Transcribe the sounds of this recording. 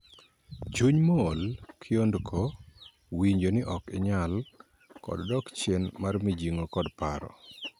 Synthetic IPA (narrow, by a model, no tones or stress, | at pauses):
t͡ʃuɲmɔːlkʰɪondkʰo | wiɲd͡ʒonɪʔɔkɪ̰ɲal | kɔ̰ddɔkt͡ʃjenmarmɪd͡ʒiŋokɔdpaɾɔ̰